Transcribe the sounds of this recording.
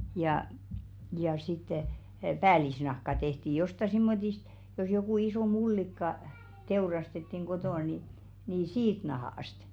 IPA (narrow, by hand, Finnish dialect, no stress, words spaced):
jɑˑ jɑ sitːe pæːlisnɑhkɑ tehti jostɑ simːotist jos jokuˑ isoˑ mulːikːɑ teurɑstetːiŋ ɡ̊otoˑ ni niː siːt nɑhoˑɑst